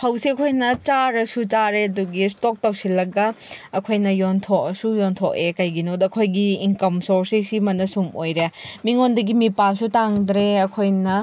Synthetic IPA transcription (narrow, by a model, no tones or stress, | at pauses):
hɐwsiɐkʰojnɐt͡ʃaɾɐsut͡ʃaɾeɐduɡistok̚tɐwsilɐɡɐɐkʰojnɐjontʰok̚ɐsujontʰokekɐjɡinotɐkʰojɡiːŋkɐmsoɾsisimɐnɐsumojɾemiŋondɐɡimipalsutaŋdɾeɐkʰojnɐ